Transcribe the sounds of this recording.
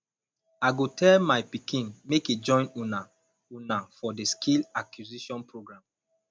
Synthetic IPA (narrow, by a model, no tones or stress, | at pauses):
aɪɡotʰɛlmaɪpikĩnmekid͡ʒɔ̃ɪ̃nuna | unafɔdeskʰilakʰjuziʃɔ̃npʰɹoɡɹãm